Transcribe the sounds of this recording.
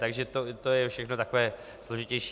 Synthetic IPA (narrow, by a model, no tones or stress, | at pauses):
t̪aɡʒɛt̪ot̪ojɛfʃɛxnot̪ako̞vɛː | slo̞ʒɪcɛjʃi